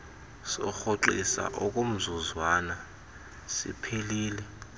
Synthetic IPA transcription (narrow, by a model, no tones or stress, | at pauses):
sɔxoǃisa̰ʔɔk̬ʼom̩zuzwana | sḭpʰeliːlɛ